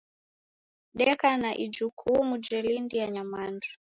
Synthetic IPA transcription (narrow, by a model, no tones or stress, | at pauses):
ɗɛkanaʔid͡ʒukʰumud͡ʒɛlindijaɲamandu